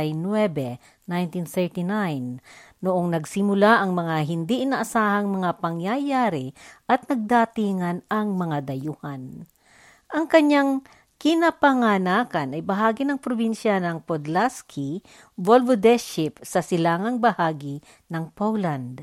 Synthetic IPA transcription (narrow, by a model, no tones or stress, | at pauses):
jnwɛbɛ | najnt̪inθɛɹt̪inajnːʊʔoŋnɐɡsɪmʊlaʔɐŋmɐŋaɦɪnd̪iʔɪnɐʔɐsaːhɐŋmɐŋapɐŋjajaːɾiʔɐt̪nɐɡ̚d̪at̪iːŋɐnʔɐŋmɐŋad̪ɐjʊhan | ʔɐŋkɐɲaŋ | kɪnapɐŋanakɐnɐjbɐɦaːɡɪnɐŋpɾobinʃanɐŋpod̪laskʰi | volvod̪ɛʃɪpsɐsɪlaːŋɐŋbɐhaːɡi | nɐŋpowland̪